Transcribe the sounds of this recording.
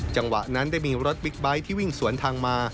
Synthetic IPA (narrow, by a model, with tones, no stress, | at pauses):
t͡ɕa˧ŋwa̰˨˩ʔna˦˥ndaː˥˩jmiː˧ɾo˦˥t̪̚bi˦˥k̚ba˦˥jt̪ʰiː˥˩wi˥˩ŋsu˨˩˦ənt̪ʰaː˧ŋmaː˧